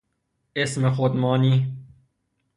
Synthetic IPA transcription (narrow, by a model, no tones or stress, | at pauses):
esmexot̪mɑːni